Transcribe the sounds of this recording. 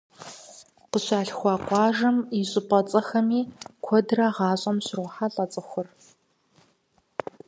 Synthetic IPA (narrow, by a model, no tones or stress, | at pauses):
qəɕaːɬxʷɑːqʷʼɑːʒɐmɪɕʼɪpʼɐt͡sʼɐxɐmiːkʷʰɔdrɐʁɑːɕʼɐmɕɪrʷʊħaɬʼɐt͡sʼɨxʷʊr